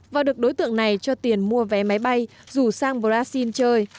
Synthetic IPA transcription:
vaː˨˩wɗɨ˨˩ək̚ɗo˨˦jt̪ɨ̰˧˨əŋna˨˩jt͡ɕɔ˧t̪i˨˩ənmu˧əvɛ˨˦ma˨˦jɓa˧j | zu˧˩saː˧ŋɓo˨˩laː˧si˧nt͡ɕəː˧j

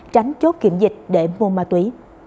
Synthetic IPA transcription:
t͡ɕa˨˦jŋ̟t͡ɕo˦˥t̚ki˧˩˨əmzï˨˩k̟̚ɗe˧˩mo˧maː˧t̪wi˨˦

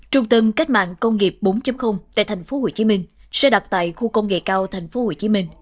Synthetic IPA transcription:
t͡ɕʊ˨˧˩ŋ͡mt̪ɨ˨˧ŋka˦˥k̟̚ma̰ː˧˨nkə˧wŋ͡mŋi˨˩p̚ɓo˨˦nt͡ɕə˨˦mxə˧wŋ͡mt̪a̰ː˧˨jt̪ʰŋ̟fo˨˦ho˧˩t͡ɕi˨˦mï˧ŋ̟sɛ̰˧˥ɗa˨˩wk͡p̚t̪a̰ː˧˨jxu˧kə˧wŋ͡mŋḛ˧˨kaː˧wt̪ʰa˨˩jŋ̟fo˨˦ho˧˩t͡ɕi˨˦mï˧ŋ̟

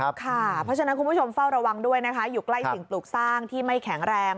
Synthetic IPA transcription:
kʰa˥˩pʰɾɔ˦˥t͡ɕʰa˧na˦˥nku˧nbʰu˥˩t͡ɕʰo˧mfa˥˩wɾa˧wa˧ŋdu˥˩əjna˦˥kʰa˦˥juː˨˩kla˥˩jsi˨˩ŋpluː˨˩k̚saː˥˩ŋt̪ʰiː˥˩ma˥˩jkʰɛ˩˦ŋɾɛː˧ŋ

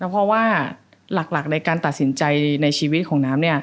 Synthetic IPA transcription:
t̪ɛ˧˥pʰɾɔ˦˥waː˥˩ | la˨˩k̚la˨˩k̚na˧jkaː˧nt̪a˨˩t̪̚si˩˦nt͡ɕa˧jna˧jt͡ɕʰiː˧wi˦t̪̚kʰɔː˩˦ŋnaː˦˥mni˥˩ɐ

